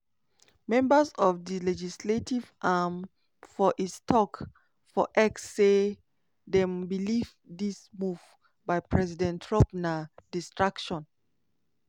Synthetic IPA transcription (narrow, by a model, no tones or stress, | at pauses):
mɛ̃mbəzɔfdilɛd͡ʒisletivʔam | fɔʔistʰɔk | fɔʔɛksːe | dɛ̃mbilivdismuv | baɪpʰɹɛzidɛ̃ntʰɹɔ̃pnadistɹakʃɔ̃n